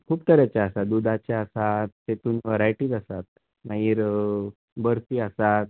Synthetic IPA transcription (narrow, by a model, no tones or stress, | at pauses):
kʰuːpt̪əɾjat͡ɕaəsad̪ud̪ʱat͡ɕaəsat̪tet̪uːnʋəɾajʈiːd̪əsat̪̚ | naiːɾ | bəɾsiːəsat̪̚